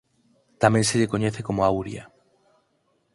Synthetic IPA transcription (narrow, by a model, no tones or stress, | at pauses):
t̪amẽnseʎekoɲɛθekomoawɾja